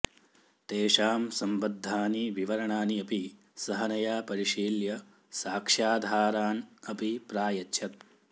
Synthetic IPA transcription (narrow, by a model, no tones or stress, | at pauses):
t̪eːʃaːmsɐmbɐd̪ʱːaːniʋiʋɐɾɐɳaːniɐpi | sɐɦɐnɐjaːpɐɾiʃiːljɐ | saːkʂaːd̪ʱaːɾaːnɐpipɾaːjɐtːʃʰɐt̪̚